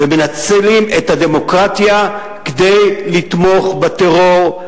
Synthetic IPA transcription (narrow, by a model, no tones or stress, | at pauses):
vemenat͡selimet̪had̪e̞mo̞kʁat̪ja | ked̪ejlit̪mo̞χbet̪eʁo̞ʁ